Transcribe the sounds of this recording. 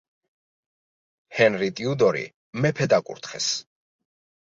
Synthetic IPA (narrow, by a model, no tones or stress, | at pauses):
hɛnɾit̪ʼiud̪ɔɾḭ | mɛpʰɛd̪akʼṵɾt̪ʰχɛ̰s